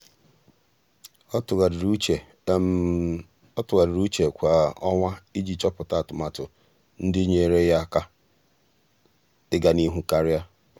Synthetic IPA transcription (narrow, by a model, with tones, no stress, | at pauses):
ɔ˦tʊ˨ɣa˨dɪ˨ɾu˦t͡ʃe˨kʷa˨ɔ˦ŋʷa˦i˦d͡ʒi˨t͡ʃɔ˦pʊ˨ta˦a˨tʊ˨ma˨tʊ˨ | n̩˦dɪ˦ɲe˦˨e˨ɾe˦ja˦ka˦ | ɪ˦ɡa˨ni˦ɦu˦ka˦ɾja˦